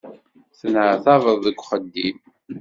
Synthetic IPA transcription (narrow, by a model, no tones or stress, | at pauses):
θənʕəθɑvəðˤðəɡʷːχəd̪ːim